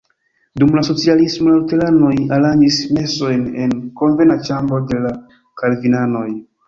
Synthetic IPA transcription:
dumlaso̞t͡sialismolalutelano̞jaɾand͡ʒisme̞so̞jne̞nko̞nve̞nat͡ʃambɾo̞de̞la | kalvinano̞j

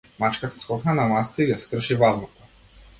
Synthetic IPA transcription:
mat͡ʃkat̪ḁskɔxnanamast̪ɛiɡɛskr̩ʃivaznɔt̪ɔ̥

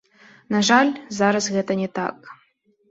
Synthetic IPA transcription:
naʐalʲzaɾɐsɣɛt̪ɐnʲɛt̪a̰k̚

